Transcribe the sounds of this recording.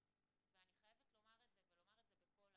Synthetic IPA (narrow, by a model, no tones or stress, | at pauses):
veaniχajevetlo̞maʁetzevelo̞maʁedzebeko̞l